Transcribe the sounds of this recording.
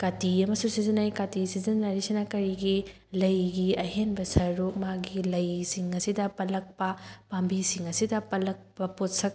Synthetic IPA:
katiɐmɐsusizinajkatisizinːaɾisinɐkɐɾiɡi | lɐjɡiɐɦenbɐsɐɾɾuk̚maɡilɐjsiŋɐsidɐpɐlɐk̚pɐpambisiŋɐsidɐpɐlɐk̚pɐpotsɐk̚

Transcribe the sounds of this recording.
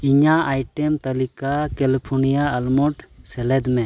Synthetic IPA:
iɲaajʈɛmt̪ɐlikakɛlipʰɔnijaːlmɔʈsɛlɛd̪mɛ

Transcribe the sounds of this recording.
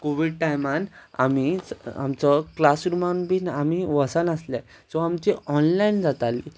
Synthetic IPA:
koʋiɽ̚ʈajmana̰mia̰mt͡sɔklasɾumanbiːnamiʋəsənəsla | t͡sɔamt͡ɕiɔnlaind͡zat̪alḭ

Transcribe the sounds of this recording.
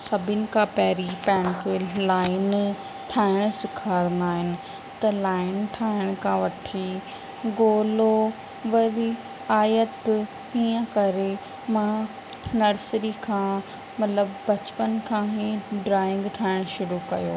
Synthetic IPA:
sɐbʱɪnɪ̆kʰãpɛɦːɾipɐɦɪɽ̃ɪkʰelaːɪn | ʈʰaːɪɽ̃sɪkʰaːɾnd̪aːɦɪnɪ̆ | t̪ɐlaːɪnʈʰaːɪɽ̃kʰãːʋɐʈʰi | ɡoːlo | ʋɐɾi | aːjət̪ | iːə̃kɐɾe | mã | nɐɾsɾikʰãː | mɐt̪ləbːɐt͡ɕpənkʰãːɦiɖɾaːɪ̃ŋɡʈʰaːɪɽ̃ʃʊɾukɐ̰jo̰ː

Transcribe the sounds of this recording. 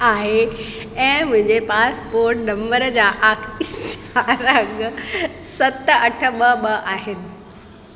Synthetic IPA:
aːɦe | ɛ̃ːmʊ̃ɦɪ̃ɲd͡ʑepaːspoːɾʈnɐ̃mbəɾd͡ʑaːʔaːkʰt͡ɕaɾɐŋɡ | sɐt̪ɐʈʰə̆ɓɐɓɐʔaːɦɪnɪ̆

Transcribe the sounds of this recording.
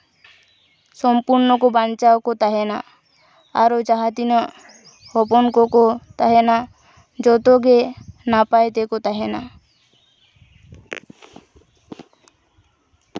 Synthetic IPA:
sɔmpuɾnɔkobant͡ʃawkot̪aɦena̰ | a̰ɾod͡ʒaɦad̪inɔ | hɔpɔnkɔkot̪aɦena | d͡ʒɔt̪oɡenapajt̪ekot̪aɦena̰

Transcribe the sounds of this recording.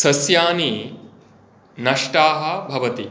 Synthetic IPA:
sɐsjaːni | nɐʂʈaːɦɐbʱɐʋɐt̪i

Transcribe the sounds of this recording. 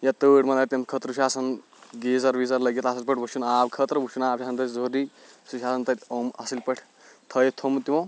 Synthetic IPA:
jat̪əːʈmɐlat̪ɐmkʰət̪ɾuʃaːsɐn | ɡezɐɾʋizɐɾlɐɡet̪asilpɐʈ̚ʰbut͡ʃʰunaːbkʰət̪ɾbut͡ʃʰunaːbʃʰʲaːsɐnt̪ɐzoɾi | suʃaːsɐnt̪ɐt̪ʲomasilpɐʈʰ | t̪ʰɐjt̪ʰomt̪imõ

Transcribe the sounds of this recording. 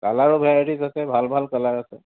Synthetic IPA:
kalaɹʊbʱaɹizasɛbʱalbʱalkalaɹasɛ̰

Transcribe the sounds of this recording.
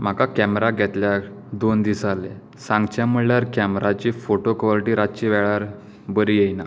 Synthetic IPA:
m̤akakɛmɾaɡʱɛt̪ljad̪ond̪isale | sãŋɡt͡ɕjam̤uɭljaɾkæmɾat͡ɕiːfoʈokʋaliʈiːɾat͡ɕiʋɛɭaɾ | bəɾijejna

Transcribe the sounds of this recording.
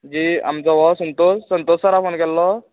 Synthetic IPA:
d͡ʑiːa̰mt͡sɔʋɔsənt̪osːənt̪osəɾafonkɛlːɔ

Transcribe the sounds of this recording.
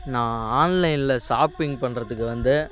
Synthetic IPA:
nãːaːnlɐɪnɪlɐʂaːpɪŋɡpɐɳːɾɐðɯkːɯʋɐnd̪ɯ

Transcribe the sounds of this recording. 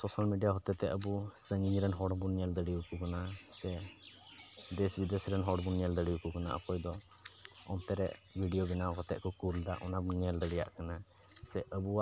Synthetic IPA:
sɔsalmiɖijaɦɔt̪ɛt̪ɛʔəbusəŋiɲɾɛnɦɔɽbunɛld̪əɽijukukanasɛ | d̪ɛsbid̪ɛsɾɛnɦɔɽbunɛld̪əɽiukukana̰ʔə̰kɔjd̪ɔ | ɔnt̪ɛɾɛ̰ʔbʱiɖijobinaɔkɔt̪ɛʔ̚kɔkuld̪aʔɔnabunɛld̪əɽija̰ʔkana | sɛʔəbuwaʔʔ

